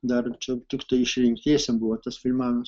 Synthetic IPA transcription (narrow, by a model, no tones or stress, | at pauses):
d̪ɐrt͡ʃʲɛt̪ʲɪkt̪ɐɪɪʃʲɾʲɪŋʲkt̪ʲeːsʲɛmbʊʋɐt̪ɐsfʲɪlʲmɑːnɐs